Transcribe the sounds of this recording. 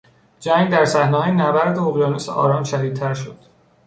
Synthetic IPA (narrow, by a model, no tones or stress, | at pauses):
d͡ʒæŋɡd̪æɾsæhnehɒːjenæbæɾd̪eoɣjɒːnusʔɒ̰ːɾɒːmʃæd̪iːd̪̚t̪ʰæɾʃod̪̥